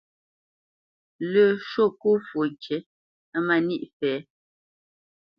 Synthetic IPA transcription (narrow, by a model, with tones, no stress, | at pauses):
lə˨ʃo˦˨ku˦fwo˨kʰje˨˦ | ma˨ni˦˨ʔfɛː˨˦